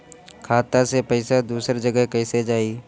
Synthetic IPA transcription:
kʰaːt̪asepəɪsad̪uːsəɾd͡ʒəɡəɦkɛɪsed͡ʒaːiː

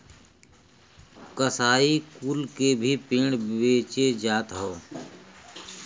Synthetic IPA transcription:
kəsaːikuːlkebʱipɪ̃ːɽbeːt͡ʃed͡ʒaːt̪ɦoː

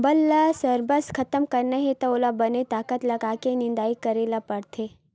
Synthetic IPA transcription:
bɐlːasɐɾbəskʰɐt̪əmkɐɾnaɦet̪ɐoːlabɐnet̪aːkət̪lɐɡaːkenɪ̃nd̪aːikɐɾeːlapɐɽt̪ʰe

